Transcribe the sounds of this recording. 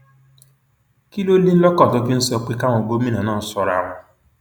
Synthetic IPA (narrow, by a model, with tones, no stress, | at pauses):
ki˦lo˦li˦n̩˦lɔ˦kɔ˦˨to˦ki˦n̩˦sɔ˦k͡pi˦ka˦ŋo˨ɡo˦mĩ˦na˨nɔ̃ː˦˨n̩˨sɔ˨ɾa̰˨ŋʊ˨